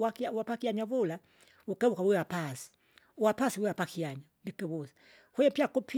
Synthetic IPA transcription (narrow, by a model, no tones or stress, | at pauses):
akiawapakiaɲaβula | wukɛβukawuwɛwapasi̥ | uwapasiwɛwapakʰiaɲandikɛβusi̥ | hwɛjɛpiakupʰi